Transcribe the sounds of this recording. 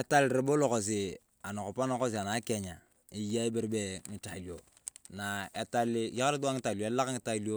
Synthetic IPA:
e˨ta˦lɾe˨bo˦lo˨ko˨s̬i˨ | a˨na˨ko˨pa˦na˦ko˦s̬i˨a˨na˨˦ke˦˨ɲa˨ | i˨ja˦i˦bi˦ɾbe˨ŋi˨ta˨li˨jo˨ | na˨e˨ta˦lɪ˦ja˦ka˦ɾi˦t̬u˦wa˦ŋi˦ta˨li˨o˨e˦la˦kŋi˦ta˦li˦o˦

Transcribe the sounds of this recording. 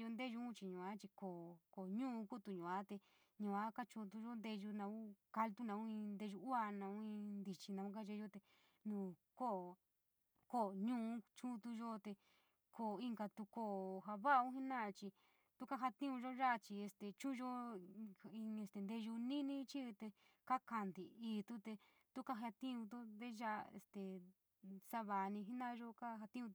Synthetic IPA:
jo˧nd̪e˦ʒu˧˦ũ˦t͡ʃi˧ɲũ˨a˦t͡ʃi˧ko˨ko˨˧ɲũ˦˧ku˦t̪u˧ɲũ˨a˦t̪e˧ | ɲũ˨a˦ka˦t͡ʃũ˧t̪̬u˧ʒo˦nd̪e˧ʒu˧nã˧ũ˦ka˧lt̪u˦nã˧ũ˦ĩ˧nd̪e˧ʒu˧u˦a˧nã˧ũ˦ĩ˧nd̪i˧t͡ʃi˧nã˧ũ˦ka˦ʒe˧o˦t̪e˧ | nũː˧˨ | ko˦˨ | ko˦˨ɲũː˦˧˦t͡ʃu˦˧t̪u˧ʒo˦t̪e˧ | kʰo˧˨i˧ŋɡa˧t̪u˧ko˦˨ɦa˧βa˦˧ũ˦ɦi˦nã˦˧t͡ʃi˧ | t̪u˦ka˦ɦa˧t̪ĩ˦ũ˧ʒo˦ʒa˦˧t͡ʃi˧e˧st̪e˨t͡ʃũ˦˧ʒo˦˧ | ĩ˧e˧st̪e˧nd̪e˧ʒu˧nĩ˦nĩ˦t͡ʃi˦˧t̪e˧ka˦ka˧nd̪i˨iː˧t̪u˦t̪e˧ | t̪u˦ka˦ɦa˧t̪ĩ˦ũ˧t̪̬u˦ðe˦ʒa˦˧ḛ˧st̪e˨ | sa˦βa˨˧nĩ˧ɦi˦nã˦˧ʒo˦ka˦ɦa˧t̪ĩ˦ũ˧

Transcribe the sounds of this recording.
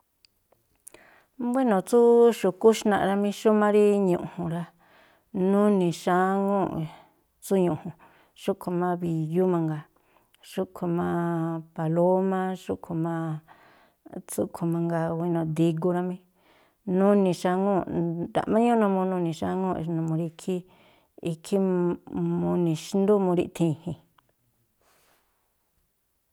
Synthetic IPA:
bʷi˦nõ˨t͡su˦ʃu˧˨ku˦ʃnã̰˧ʔɾa˧mĩ˦ʃu˦mã˦ɾi˦ɲũ˨ʔhũ˨ɾa˧ | nũ˦nĩ˨ʃa˦ŋõ˦ | t͡su˦ɲũ˨hũ˨ | ʃu˦kʰo˧mã˦βi˨ju˦mã˧ŋɡa˨ | ʂu˦kʰu˧mã˧pa˨lo˦mã˦ʂu˦kʰu˧mã˦ | t͡su˦kʰu˧mã˧ŋɡa˧wi˧nõ˧˨d̪i˧ɡu˧ɾa˧mĩ˧ | nũ˦nĩ˧ʃa˧ŋõ˦d̪a̰˨ʔmã˦ɲũ˦nõ˧mõ˧nũ˧nĩ˨ʃa˧ŋõ˦˧nũ˧mũ˧ɾi˧kʰi˦ | i˧kʰi˦ | mũ˧nĩ˨ʃnd̪u˦mũ˧ɾḭ˧ʔt̪ʰĩ˧˨hĩ˨

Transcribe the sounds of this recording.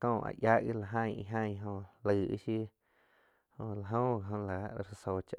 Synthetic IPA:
kõː˧˨ʔa̰˨ʔja˦ʔɡi˦la˨ɦã˧˨ḭ˧ɦã˦˧j̃ɦõ˧lɨ˧˨ʔḭ˦ʃi˦ | hõ˧la˨ɦõ˦a˨ɦõ˧la˨˧ɾso˧˨t͡ʃa˧ʔ

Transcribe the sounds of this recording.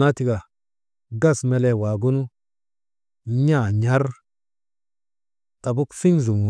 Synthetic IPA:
na˦ti˨ɡa˨ | ɡa˦˨sme˨le˦wa˨ɡu˦nu˦ | ɲa˦˨ɲa˦ɾ | ta˨bu˦kfi˦ŋzu˨m˨

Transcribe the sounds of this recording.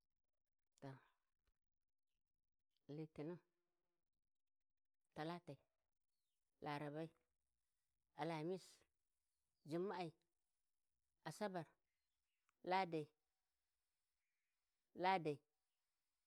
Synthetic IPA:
to˨ | li˨ti˨nu˦ | ta˨la˦ta˨i˨ | lʔa˨ɾa˨ba˦i˦ | a˨la˨mi˦s | d͡ʒi˨mːa˦a˨i˨ | a˨sa˦ba˨ɾ | la˦da˨i˨ | la˦da˨i˨

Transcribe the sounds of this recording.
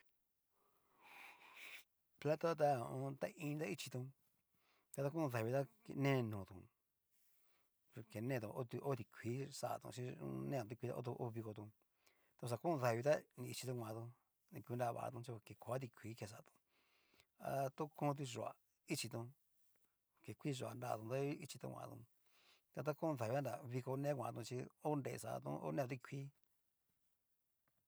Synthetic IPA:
pla˦t̪a˦˧t̪̬ã˧t̪a˦˧ʔĩ˧t̪a˦i˦t͡ʃi˧t̪ũ˧ | t̪a˧t̪a˧kũ˦˧ða˨˧βi˧t̪a˦kḛ˧nẽ˦˧nũ˨t̪ṵ̃˨˧ | ke˨nẽː˦˧t̪ũ˧ʔo˦t̪u˧ʔo˦t̪i˧kʰʷiː˨˦sa˧˨a̰˧t̪ṵ̃˧ʃĩ˧˦ṵ̃˧nẽ˦˨ũ˨˧t̪i˧kʷi˧t̪a̰˧o̰˦t̪̬u˧ʔo˦˧βi˧ko˧t̪ũ˧ | t̪a˧s̬a˧kũ˦˧ða˨βi˧t̪a˦nĩ˧i˧t͡ʃi˧t̪ũ˧ã˧t̪ũ˧ | nĩ˧kʷi˧nda˧βa̰˧˨a̰˧t̪ũ˧t͡ʃi˧ke˨ko˨a˦t̪̬i˧kʷʰiː˨˦ke˧˨s̬a˧˨˧t̪ũ̥˧ | a˧t̪ũ˦kõː˦˧t̪̬u˧ʒo˧˨a̰˨ | i˦t͡ʃi˧t̪ũ˧ | ke˨kʷi˦ʒo˧˨a̰˨nda˧˦˨t̪ũ˧˨d̪a˦i˦t͡ʃi˧t̪ṵ̃˧kʷã̰˧t̪ṵ̃˧ | t̪a˧t̪̬a˦kũ˦˧ða˨i˧a˦nda˨˧βi˧ko˧nẽ˦kʷã˧t̪ũ˧t͡ʃi˧o˦nɾḛ˧˨sa̰˧t̪ṵ̃˧o̰˦nẽ˦˨õ˧t̪i˧kʷʰi˦

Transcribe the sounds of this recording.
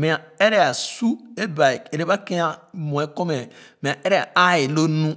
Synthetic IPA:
mĩ˨a˨e˦ɾe˦a˨su˦e˦ba˨e˨ɾe˦ba˦ke˦a˦mõ˨e˦ko˦me˨mĩ˨a˨e˦ɾe˦˨a˨a˦i˨lo˦nũ˦

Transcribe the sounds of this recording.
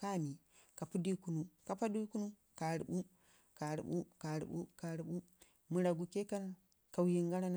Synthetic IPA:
ka˦˨mi˨ | ka˨pu˦di˦ku˦nu˦ka˨pa˦di˦ku˦nu˦ | ka˨ɾḭ˨ɓu˦ | ka˨ɾḭ˨ɓṵ˦ka˨ɾḭ˨ɓṵ˦ka˨ɾi˨ɓu˦ | mu˨ɾa˨ɡu˨ke˦ka˦n | ka˨wji˨ŋɡa˦ɾa˦n˦

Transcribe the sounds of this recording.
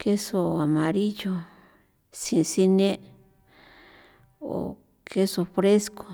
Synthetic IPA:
ke˦so˧a˨mã˨ɾi˦jo˧ | sĩ˧si˧nẽ˦ | o̰˨ | kʰe˦so˧fɾe˦sko˨

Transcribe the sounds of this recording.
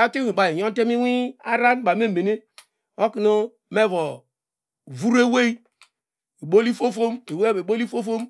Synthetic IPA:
a˦te˦i˨ba˨i˨jo˦te˦mi˦wi˦a˦ɾa˦n˦ba˨me˦˨me˨ne˦ | o˦ki˨no˦ | me˦˨vo˨ | vu˦ɾe˦we˦i˦ | e˨bo˦li˦fo˦fo˦me˨we˦e˨bo˦li˦fo˦fo˦m

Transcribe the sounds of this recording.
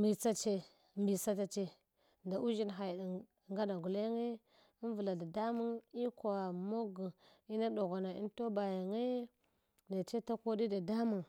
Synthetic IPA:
mbi˨t͡sa˦t͡ʃe˦ | mbi˨sa˦t̬a˨t͡ʃe˦ | nda˨ʔu˦ʒi˦nɦa˨j | ŋɡa˦da˨ɡu˨le˦ŋe˦ | i˦n˦və˨la˨da˨da˦mu˦ni˦ka˨mo˦ɡu˨ | i˦na˦do˨ɡa˨na˨ḭ˦nto˦ba˨ja˨ŋe˦ | na˨t͡ʃe˦ta˦ko˦di˦da˨da˦mu˨n

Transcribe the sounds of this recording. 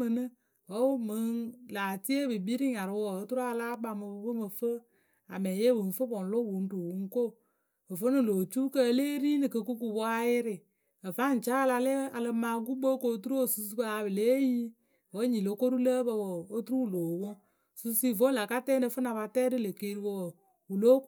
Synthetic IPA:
mɨ˧nɨ˦ | wɔ˨˦u˦mɨ˨˦ŋlaː˨ti˦e˦bɨ˨bi˦ɾi˦ɲa˨ɾɨ˧˦wɔ˨o˦tu˦ɾa˦˧laː˦k͡pa˧mɨ˧wə˦mə˨fə˦ | a˨mɛ˨je˦bɨ˨n˨˦fə˦bɔ˨n˨lo˦wu˨˦n̩˦du˨wu˨˦ŋ˦ko˦˨ | ə˨fə˦nɨ˨lo˨t͡ʃu˦kə˧˦leː˦ɾi˦nɨ˨kə˧ku˦ku˧wɔ˦a˦jɪ˦ɾɪ˨ | ə˨va˦n̩˨t͡ʃa˦la˧le˦a˨lə˧maː˨ɡu˦bo˦ko˨˦tu˦ɾu˦o˦˨su˧su˦ba˦a˧˨bɨ˨le˦ji˦˨ | wə˦ɲi˨lo˨˦ko˦ɾu˦ləː˦bə˧wo˨o˦tu˦ɾu˦˨lo˨wɔ˦ | su˦si˦˨vo˦la˨ka˦tɛː˦nɨ˨˧˦fɨ˦na˧ba˧tɛː˦dɨ˦lə˨ke˦ɾi˧wo˧w | wu˨lo˦

